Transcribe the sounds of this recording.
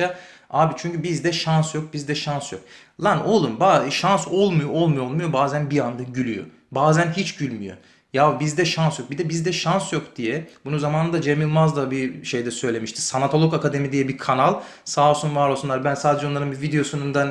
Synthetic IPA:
a | aːbit͡ʃʰyɲcybizd̪ɛʃansjo̞k̚bizd̪ɛʃansjok | lˠanolˠunbaʃanso̞lˠmujuo̞lˠmujoolˠmujo̞baːzænbiand̪aɟylʲyjo̰ | baːzænɦit͡ʃɟylʲmyjo̰ | jabizd̪ɛʃansjo̞k̚bid̪ɛbizd̪ɛʃansjo̞kd̪̥ijɛbununzamaːnɯd̪ad͡ʒe̞milˠmazd̪abiʃe̞jd̪ɛsø̞jlʲe̞miʃt̪ʰi̥sanat̪ʰo̞lˠokakad̪e̞mid̪ijɛbikʰanalˠ | saːosunvaɾolˠsunˠaɾbænsaːd̪ed͡ʒɛo̞nˠaɾɯnbivid̪eo̞sunund̪an

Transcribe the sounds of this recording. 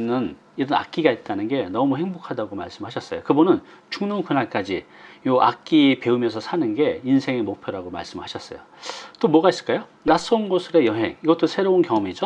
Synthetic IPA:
nɯn | iɾʌna̰k͈̚iɡait̚t͈anɯnɡe̞nʌmuhe̞ŋbokʰadaɡoma̰ɭs͈ɯmɭhaɕʰʌs͈ʌjokɯbunɯn | t͡ɕuŋnɯnkunaɭk͈ad͡ʑijoʔak̚k͈ipe̞umjʌnsʰʌsʰanɯnɡe̞insʰe̞ŋemok̚pʰjʌɾaɡoma̰ɭs͈ɯmɭhaɕʰʌs͈ʌ̰jo | t͈omwʌɡais͈ɯɭk͈ajo | nas͈ʌunɡosʰɯɾe̞jʌɦe̞̰ŋiɡʌt͈osʰe̞ɾounkjʌŋʌmid͡ʑo

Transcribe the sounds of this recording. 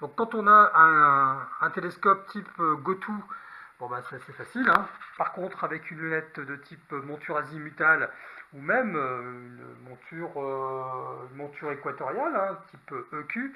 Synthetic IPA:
d̪̥ɔ̃kːɑ̃t̪ɔ̃naɛ̃ɛ̃t̪eleskɔp̚t̪ʰipøɡɔt̪ʰub̥ɔ̃basɛ̥asefasilɛ̃paʁkɔ̃t̪χavɛkʰynlənɛt̪d̪ət̪ʰipømɔ̃t̪yʁazimyt̪alumɛmøynə̰mɔ̃t̪ʰyʁø | ynmɔ̃t̪yʁekwat̪ɔʁjalɛ̃t̪ʰipøøkʲy

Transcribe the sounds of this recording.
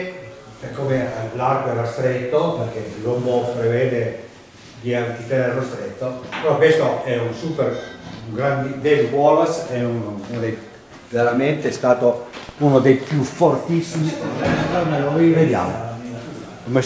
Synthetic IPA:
pekːomelarkoɛɾast̪ɾet̪ːopeɾk̟elombopɾeveːd̪e | d̪iank̪it̪eneɾerost̪ɾet̪ːopeɾɔkwest̪oɛunsupeɾuŋɡɾand̪id̪elukwɔlosɛununod̪ej | veɾament̪eɛst̪aːt̪ounod̪ejpjufort̪isːimiɛameoived̪ja̰ːmo̰ | kome

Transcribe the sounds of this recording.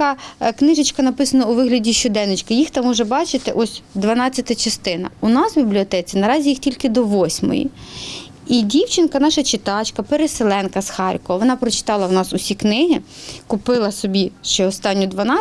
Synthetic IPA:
ɐknɪʒet͡ʃkɐnɐpɪsɐnɔuʋɪɦlʲɐdʲiʃt͡ʃɔd̪ɛnːɪt͡ʃkɪjixt̪ɐmɔʒɛbɑt͡ʃɪt̪ɪʔɔsʲd̪ʋɐnɑt͡sʲːɐt̪ɐt͡ʃɐst̪ɪnɐ̰ʊnɑsbʲiblʲiɔt̪ɛt͡sʲinɐɾɑzʲijixtʲilʲkɪd̪ɔʋɔsʲmɔ̰jḭ | idʲiwt͡ʃɪnkɐnɑʃɐt͡ʃɪt̪ɑt͡ʃkɐpeɾeselˠɛnkɐsxɑrʲkɔɔʋɔnɑpɾɔt͡ʃɪ̥t̪ɑlˠɐwnɑsʊsʲiknɪɦɪkʊpɪlˠɐsɔbʲiʃt͡ʃɛɔst̪ɑnʲːɔd̪ʋɐnɑ

